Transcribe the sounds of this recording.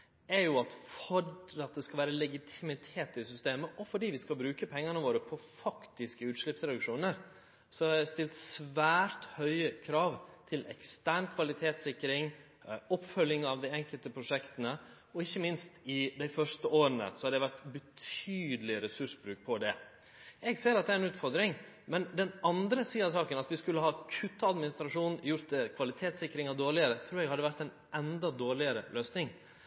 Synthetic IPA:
ɛɾjʊɑt̪fɔɖɑt̪̚d̪ɛskɑʋæːɾəlɛɡɪt̪ʰɪmɪt̪ʰeːt̪ɪsʏst̪eːməʔɔfɔɖiːʋɪskɑlbɾʉːkəpʰɛŋːənəʋoːɾəpʰɔfɑkt̪ɪskəʉːt̪ʂlɪpsɾɛd̪ʉkʂuːnəɾ | sɔhɑɾæst̪ɪlt̪sʋæːɾt̪hœʏəkʰɾɑːʋt̪ʰɪlɛ̰kst̪æːɳkʰʋɑlɪt̪ʰeːt̪sɪkːɾɪŋ | ɔpːfœljɪŋɑʋd̪æɪɛŋkəlt̪əpʰɾʊʂɛkt̪ənə | ɔɪçːəmɪnst̪ɪd̪æɪfœʂtəʔoːɾənə̰sɔhɑd̪ɛæɪʋæɾt̪bət̪ʰyːd̪əlɪɾɛsʉʂbɾʉːk̚pʰɔd̪ɛ | ɛɡseːɾɑt̪̚d̪ɛæɾɛnʉːt̪fɔɾd̪ɾɪŋ | mɛnd̪ɛnɑnd̪ɾəsiːɑsɑːkənɑt̪ʋɪskʉlːəhɑːkʰʉt̪ːəɑd̪mɪnɪst̪ɾɑʂuːnnjʊɾt̪̚d̪ɛkʰʋɑlɪt̪ʰeːt̪sɪkːɾɪŋɑd̪oːɭɪəɾət̪ʰɾʉːɾɛɡhɑd̪ːəʋæɾt̪æɪn | ʔɛnd̪ɑd̪oːɭɪəɾə̰lʔøːsnɪŋ

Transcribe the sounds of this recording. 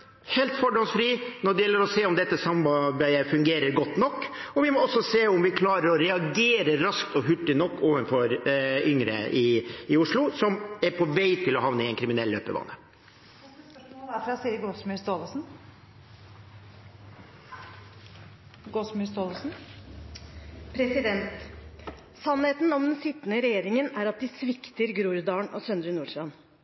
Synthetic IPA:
heːlt̪fɔɖɔnsfɾiːnɔɖɛjɛlːəɾɔseːɔmd̪ɛt̪ːəsɑmɑbæɪəfʉŋɡeːɾəɾɡɔt̪ːnɔkː | ɔʋɪmɔɔsːɔseːʊmʋɪkʰlɑːɾəɾɔɾɛɑɡeːɾəɾɑskt̪ɔɦʉʈːɪnɔkːoːʋənfɔɾʏŋɾə̰ʔɪɪʊʂɭʊsɔmɛɾpʰɔʋæɪt̪ʰɪlɔɦɑʋnəɪɛnkʰɾɪmɪnɛlːøːpə̰ʋɑ̰ːnə | d̪æfɾɑsiːəɾɡɔsmʉst̪oːləsn̩ | ɡɔsmst̪oːləsn̩ | pʰɾɛsɪd̪ɛnt̪ | sɑnheːt̪nɔmd̪ɛnsɪt̪ːənəɾɛjeːɾɪŋənæɾɑt̪̚d̪ɪsʋɪkt̪əɾɡɾuːɾd̪ɑːɳʔɔ̰sœnd̪ɾʉnuːʂɾɑn

